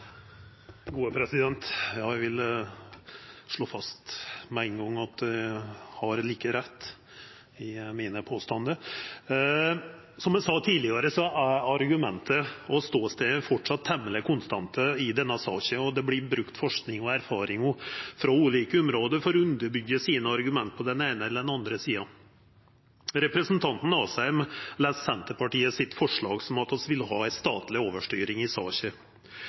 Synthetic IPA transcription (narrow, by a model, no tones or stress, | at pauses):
ɡuːəpʰɾɛsɪd̪ɛnt̪jɑːæʋɪl | ʂɭoːfɑst̪mɛɪŋɡɑŋːɑt̪̚d̪ɛhɑɾliːkəɾɛt̪ː | ɪmiːnəpʰoːst̪ɑnd̪ə | sɔmjɛsɑːt̪ʰiːlɪəɾəsɔæɾɑɾɡʉmɛnt̪ʰəɔst̪oːst̪eːəfɔʈʂɑt̪ʰːɛmːələkʰʊnst̪ɑnt̪ʰəɪd̪ɛnːəsɑ̰ːɕəɔd̪ɛblɪbɾʉkt̪fɔʂknɪŋɔæɾfɑːɾɪŋɔfɾɑʉːliːkəʊmɾoːd̪əɾfɔɾʉnd̪əɾbʏɡːəsiːnəɑɾɡʉmɛnt̪̚pʰɔd̪ɛneɪnəɛlːəd̪ɛnɑnd̪ɾəsiːɑ | ɾɛpɾɛsnt̪ʰɑnt̪n̩ɑːsɑɪmlæːssɛnt̪əpɑʈiːəsɪt̪fɔʂɭɑːɡsɔmɑt̪ɔsʋɪlhɑːæɪst̪ɑ̰ːt̪lɪoːʋəʂʈyːɾɪŋɪsɑːɕə